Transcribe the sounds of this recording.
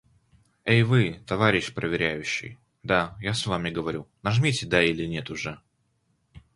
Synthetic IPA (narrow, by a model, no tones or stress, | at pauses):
ejvɨt̪ɐvaɾʲɪɕpɾəvʲɪɾʲæjʉɕːɪ̰j | d̪ajasvamʲɪɡəvɐɾʲunɐʐmʲitʲɪd̪ailʲɪnʲe̞t̪ʊʐɛ